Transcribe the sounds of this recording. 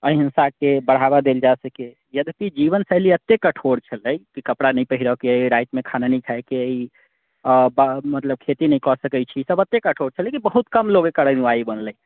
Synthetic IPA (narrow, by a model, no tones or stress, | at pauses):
əiɦinsakebəɽ̤aβad̪eld͡ʒasəke | jəd̪ʱpid͡ʒiβənsəɦliət̪ːekəʈʰoɽt͡ʃʰələjkikəpɽanəjpəɦiɾəkeəiɾajt̪mekʰananəjkʰaekeəi | bamət̪ləb̚kʰet̪inəjkɔsəkəjt͡ʃʰisəbət̪ːekəʈʰoɾt͡ʃʰəlekibəɦut̪kəmloɡekəɾəniʋaibənləj